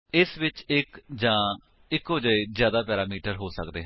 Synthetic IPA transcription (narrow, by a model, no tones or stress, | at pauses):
ɪsʋɪt͡ʃɪkd͡ʒãː | ɪkoːd͡ʒaːezjaːd̪aːpɛːɾaːmiːʈəɾɦoːsə̰kd̪ḛːɦ